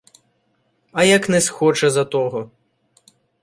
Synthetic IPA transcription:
ɐjɐknɛsxɔt͡ʃɛzɐt̪ɔɦɔ

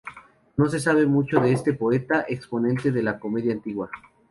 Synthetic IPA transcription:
no̞s̬e̞s̬aβ̞e̞mut͡ʃo̞ðeest̪e̞po̞e̞t̪aʔekspo̞nẽ̞nt̪e̞ðe̞lako̞me̞ðjaːnt̪iɣwa

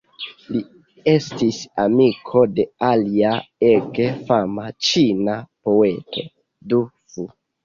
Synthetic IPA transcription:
li | estisamikʰo̞de̞aliaeɡefamat͡ʃinapo̞e̞to̞ | du | fu

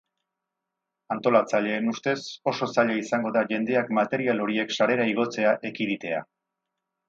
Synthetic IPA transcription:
ant̪o̞lat͡saʎe̞ːnust̪e̞so̞so̞saʎaisaŋɡo̞ðaʝe̞nd̪e̞akmat̪e̞ɾialo̞ɾie̞ksaɾe̞ɾaiɣ̞o̞t͡se̞aʔe̞kiðit̪e̞a̰

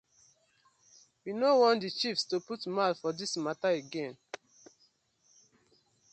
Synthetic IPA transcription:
winowɔ̃ntdit͡ʃifstuputmalfɔdismataeɡẽn

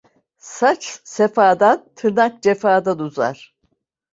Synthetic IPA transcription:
sat͡ʃsefaːd̪ant̪ʰɯnak̚d͡ʒefaːd̪anuza̰ɾ̥

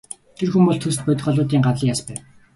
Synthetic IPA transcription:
t̪ʰerxumpɔɮt̪ʰɵs̬t̪̚pœt̪̆ʲχɔɮʊːt̪iːŋɢat̪ɮĭːŋjaspæːw

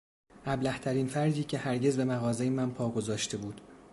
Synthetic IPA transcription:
ʔæblæht̪ʰæɾiːnfæɾd̪iːcʰe̞hæɾɟe̞zbe̞mæɣɒːzejemænpʰɒːɡo̞zɒːʃt̪ʰe̞buːd̪̥

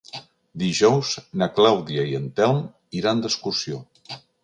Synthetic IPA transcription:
d̪iʒɔwznaklawðiaiənt̪ɛwm | iɾand̪əskusio

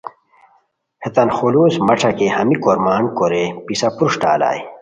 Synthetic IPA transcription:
het̪ɐnxoluːsmɐʈ͡ʂʰɐkehɐmikoɾmaːɳkoɾepisɐpuɾʂʈaːla̰ːj

